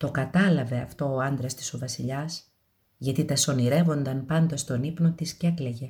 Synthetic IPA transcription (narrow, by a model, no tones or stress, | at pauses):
t̪o̞kɐt̪ɐlɐve̞ɐft̪o̞ːɐnd̪ɾɐst̪i̥sovɐsiʎɐs | ʝɐt̪it̪ɐso̞niɾe̞vo̞nd̪ɐmpɐnd̪ɐst̪o̞nipno̞t̪iscekleʝe